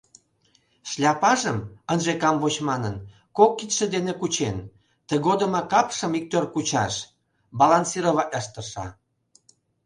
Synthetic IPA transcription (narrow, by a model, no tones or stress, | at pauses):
ʃlʲɑpɑʒəmənʒekɑmvot͡ɕmɑnən | kokːit̪ʃĕd̪enekut͡ɕen | t̪əɣod̪ə̆mɑkɑpʃə̆mik̚t̪ørkut͡ɕɑʃ | bɑlanʲsiɾoβɑʔʲɑʃt̪ə̆ʃɑ̰